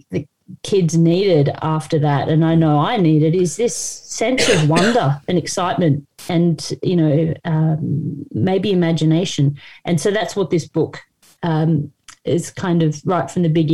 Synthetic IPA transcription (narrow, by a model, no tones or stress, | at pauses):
ðɨ | kʰɪdzniɾɪɾæftə˞ðæɾɨ̃naɪnoʊaɪniɾɨɾɪzðɪsɛ̃nsʌvwʌ̃ndə˞ɨ̃nɨksaɪt̚mɨ̃ntɨ̃njʔɨñoʊʌmmeɪbiɨmæd͡ʒɨneɪʃɨ̃nʔɨ̃nsoʊðætswʌt̪̚ðɪsb̥ʊk | ʌ̃mʔɪz̥kʰãɪ̃ndʌvɹaɪtfɹʌ̃mðɨbɪɡ